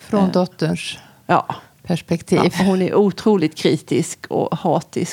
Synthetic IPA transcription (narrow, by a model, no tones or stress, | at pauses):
fɾɔnd̪ɔt̪ːəɳʂ | jɑː | pʰæʂpɛkt̪ʰiːvhʊnæɾʔuːt̪ʰɾuːlɪt̪kʰɾiːt̪ɪskʰɔ̰hɑːt̪ɪs